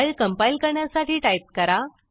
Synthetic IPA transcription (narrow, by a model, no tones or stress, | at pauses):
ilkəmpailkəɾɳjasaʈiːʈaip̚kəɾa